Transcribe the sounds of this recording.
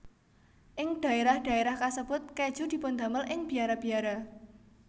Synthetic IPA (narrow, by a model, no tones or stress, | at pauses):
ʔɪŋd̥a̤eɾahd̥a̤eɾahkasəb̥ʊt̪̚ke̥ʒ̥ud̪̥i̤pʊnd̪aməlʔɪŋb̥i̤aɾab̥i̤aɾa